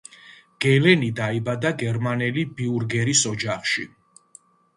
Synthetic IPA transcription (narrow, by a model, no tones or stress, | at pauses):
ɡ̥ɛlɛnid̪aibad̪aɡɛɾmanɛlibiuɾɡɛɾisɔd͡ʒaχʃi